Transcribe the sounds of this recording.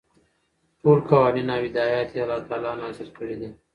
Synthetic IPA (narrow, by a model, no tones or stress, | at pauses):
ʈolkawɑninɑwɪd̪ɑːjɑt̪ealːat̪ɑːlɑnɑsɪlkəɽid̪i